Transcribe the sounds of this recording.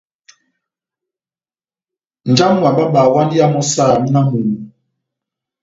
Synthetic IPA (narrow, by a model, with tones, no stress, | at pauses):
n̩˨d͡ʒa˦m˦wa˨ba˦ɓaː˨wa˦ndi˦a˦mɔ˦saː˦˨mi˦na˦mu˨u˨